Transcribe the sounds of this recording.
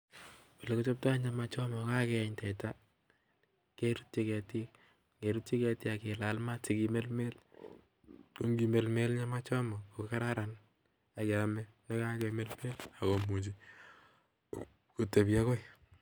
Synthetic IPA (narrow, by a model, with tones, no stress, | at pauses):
pe˨le˨ko˦t͡ʃo˦p̚ta˦ɲa˨ma˦t͡ʃɔ˦mɔ˨ka˦kɛ˨ɲtɛ˨ta˦ | ke˦ɾu˦tt͡ʃi˦kɛ˨ti˦k | ke˨ɾu˦tt͡ʃi˦kɛ˧ti˦a˨ke˨la˨lma˦ti˨ki˨me˦lme˦l | ko˦ŋɡime˨lme˦lɲa˦ma˦t͡ʃɔ˦mɔ˨ko˨ka˦ɾa˦ɾa˨n | a˨ke˨a˨mɛ˦ne˦ka˦kɛme˦lme˦la˨ko˨mu˨t͡ʃi˦ | ku˨te˨pja˦kɔ˦i